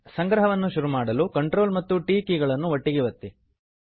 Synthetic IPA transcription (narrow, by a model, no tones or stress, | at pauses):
sɐŋɡɾɐɦɐʋɐnːuʃuɾumaːɽɐlukɐɳʈɾoːlmɐt̪ːuʈiːkiːɡɐɭɐnːuʋɐʈːiɡiʋɐt̪ːi